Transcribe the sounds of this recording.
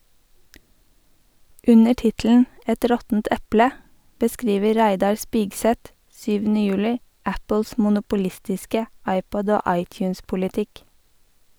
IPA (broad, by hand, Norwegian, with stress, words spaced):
ˈʉnə ˈʈɪtl̩n̩ ˈɛt ˈɾɔtn̩t ˈɛplə bəˈskɾiːʋə ˈɾæɪdɑɾ ˈspiːɡsɛt ˈsyːʋn̩ə ˈjʉːlɪ ˈæpəls mʊnʊpʊˈlɪstɪskə ˈɑɪˌpɔd ˈoː ˈɑɪˌtjʉːnspʊlɪˌtɪk